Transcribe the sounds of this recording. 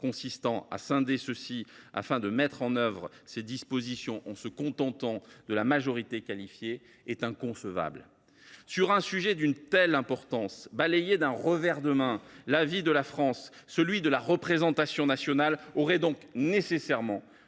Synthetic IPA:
kɔ̃sist̪ɑ̃a̰sɛ̃d̪esəsia̰fɛ̃d̪əmɛt̪χɑ̃nœvʁəsed̪ispozisjɔ̃ʔɑ̃səkɔ̃t̪ɑ̃t̪ɑ̃d̪əlamaʒɔʁit̪ekalifje | ɛt̪ɛ̃kɔ̃səva̰bl | syʁɛ̃syʒɛd̪ynt̪ɛlɛ̃pɔʁt̪ɑ̃sbalejed̪ɛ̃ʁəvɛʁd̪əmɛ̃lavid̪əlafχɑ̃sː | əlɥid̪əlaʁəpχezɑ̃t̪asjɔ̃nasjɔnalɔʁɛd̪ɔ̃knesesɛʁmɑ̃

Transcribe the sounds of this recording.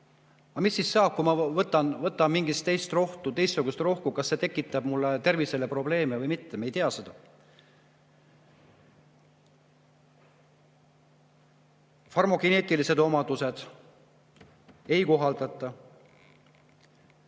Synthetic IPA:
ɑmisːisːɑːb̥̚kumɑvɤt̪ːˑɑnvɤt̪ːˑɑmiŋɡist̪ːe̞jst̪ro̞ht̪ut̪e̞jst̪ːuɡ̥ust̪ro̞hkukɑsːe̞t̪e̞kːˑit̪ːˑɑb̥mulːet̪e̞rviselepro̞ble̞ːmevɤjmit̪ːe̞me̞jt̪eɑse̞d̪ɑ | fɑrmo̞ɡine̞ːt̪ˑilise̞d̪̥o̞mɑd̪̥use̞d̪̥ | e̞jko̞ɦɑld̪̥ɑt̪ːˑɑ

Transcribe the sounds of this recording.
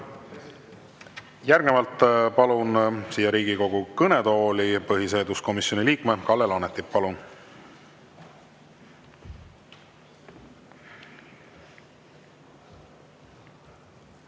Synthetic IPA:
jæɾrɡ̥nevɑlt̪ːˑpɑlunsiːjːɑɾiːɡiko̞ɡ̥ukɤned̪o̞ːlipɤɦise̞ːd̪usko̞misjo̞niliːkme̞kɑlːelonet̪ːˑippɑlun

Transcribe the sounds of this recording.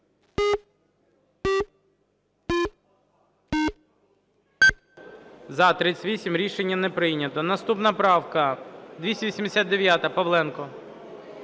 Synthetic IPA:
zɐt̪ɾʲɪt͡sʲʋʲisʲimɾʲiʃenʲːɐnɛpɾɪjnʲɐt̪ɔnɐst̪upnɐpɾɑwkɐd̪ʲʋʲisʲɛʋisʲimd̪esʲat̪d̪eʋʲjat̪ɐpɐʋlˠɛnkɔ

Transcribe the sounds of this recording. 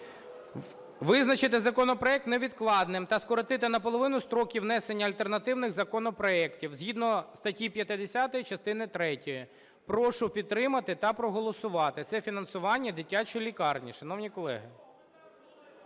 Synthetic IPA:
ʋɪznɐt͡ʃɪt̪̬ɪzɐkɔnɔpɾɔɛk̚t̪neʋʲid̪klˠɑd̪nɪmt̪ɐskɔɾɔt̪ɪt̪ɪnɐp̬ɔlˠɔʋɪnʊst̪ɾɔkʲiwnɛsenʲːɐɐlʲt̪ernɐt̪ɪwnɪɣzɐkɔnɔpɾɔɛktʲiwzʲɦʲid̪nɔst̪ɐtʲipʲjɐt̪ɪd̪esʲat̪ɔjit͡ʃɐst̪ɪnɪt̪ɾɛtʲɔji | pɾɔʃʊpʲid̪̚t̪ːɾɪmɐt̪ɪt̪ɐpɾɔɦɔlˠɔsʊʋɑt̪ɪt̪sɛfʲinɐnsʊʋɑnʲːɐd̪ɪtʲat͡ʃɔjilʲikɑrnʲḭʃɐnɔwnʲikɔlˠɛ̰ɦɪ

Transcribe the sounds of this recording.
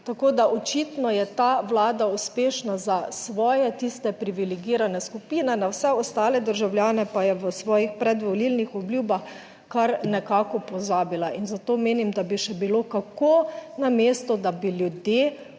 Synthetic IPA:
t̪akod̪aʔɔt͡ʃit̪nɔjɛt̪aʋlaːd̪auspeːʃnazasʋɔːjɛt̪ist̪ɛpɾiʋilɛɡiːɾanɛskupiːnɛnawsɛɔst̪aːlɛd̪əɾʒawljaːnɛpajɛʋəsʋɔːjixpɾɛd̪ʋɔlilnixɔbljuːbax | kaɾnɛkaːkɔpɔzaːbilaʔinzat̪oːmeːnimd̪abiʃɛbilokakonameːst̪ɔd̪abiljud̪je

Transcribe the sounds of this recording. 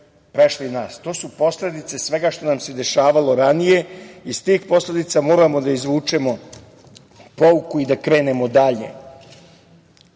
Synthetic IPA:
pɾeʃlinaːst̪o̞ːsupo̞sle̞d̪it̪se̞sʋe̞ɡaʃt̪o̞namse̞d̪e̞ʃaːʋalo̞ɾanije̞ist̪iːxpo̞sle̞d̪it̪samo̞ːɾamo̞d̪aizʋuːt͡ʂe̞mo̞ | po̞ukuid̪akɾe̞ːne̞mo̞d̪aʎe̞̰

